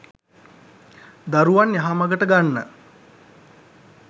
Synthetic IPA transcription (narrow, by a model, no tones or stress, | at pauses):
d̪aɾuʋanjaɦamaɡəʈəɡanːə